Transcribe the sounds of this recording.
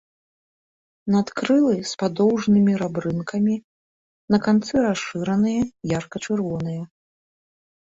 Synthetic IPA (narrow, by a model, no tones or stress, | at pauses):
nat̪kɾɨlˠɨspad̪ɔwʐnɨmʲiɾabɾɨnkʰɐmʲi | nɐkant̪sɨɾaʂɨɾɐnɨjɐjarkɐt͡ʂɨrvɔnɨjɐ